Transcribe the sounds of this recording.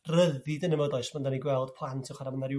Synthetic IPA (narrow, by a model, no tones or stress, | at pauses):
rəðidənəvəðɔɨsməndaniɡwɛlˠd̥pʰlˠantʰiχwaɾamənaɾj